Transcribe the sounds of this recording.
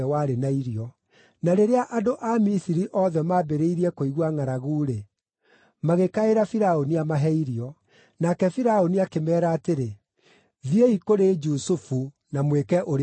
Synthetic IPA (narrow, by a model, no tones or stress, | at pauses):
ɛwaɾenaiɾiɔ | naɾeɾeaʔadoʔamisiɾiʔɔðɛmabeɾeiɾiɛkoiɣwaŋaɾaɣuːɾe | maɣekaeɾafiɾaoniamaɦɛiɾiɔ | nakɛfiɾaoniakemɛːɾaːteɾe | ðieikoɾed͡ʒusufu | namwekɛʔoɾ